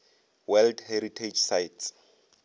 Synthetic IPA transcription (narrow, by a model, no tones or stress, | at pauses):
wɛldheɾitʰed͡ʒsajts